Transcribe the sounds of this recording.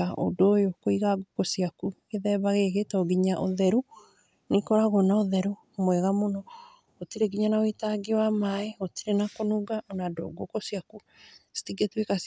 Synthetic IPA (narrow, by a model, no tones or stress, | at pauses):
aʔo̰dojokoiɣaɡokɔsijakuɣeðɛβaɣeɣetɔɡiɲaʔoðɛɾu | nikɔɾaɣonaoðɛɾu | mwɛɣamonɔ | otiɾeɡiɲanaoitaɡewamaɛotiɾenakonuɡaonado̰ɡokɔsijaku | si̥tiɡetwekas